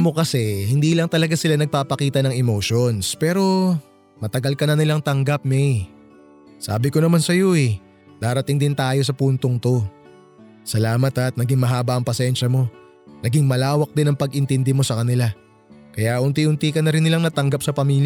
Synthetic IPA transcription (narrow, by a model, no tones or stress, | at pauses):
mo̞kɐsɛhɪnd̪iːlɐŋt̪ɐlɐɡasɪlanɐɡ̚paːpɐkiːt̪ɐnɐŋɛmo̞ʃonspɛːɾo̞ | mɐt̪ɐɡalkɐnɐnɪlaŋt̪ɐŋɡap̚mɛj | sa̰ːbɪko̞nɐmansɐjo̞ʔɛ | d̪̥aːɾɐt̪ɪŋd̪ɪnt̪aːjo̞sɐpuːnt̪oŋt̪o̞ | sɐlaːmɐt̪ɐt̪nɐɡɪŋmɐɦaːbɐʔɐŋpɐsɛnʃɐmo̞ | nɐɡɪŋmɐlaːwɐk̚d̪ɪnɐŋpɐɡʔɪnt̪ɪnd̪ɪmo̞sɐkɐnɪla | kɐjahʊnt̪iʊnt̪ikɐnɐɾɪnːɪlaŋnɐt̪ɐŋɡap̚sɐpɐmiːlj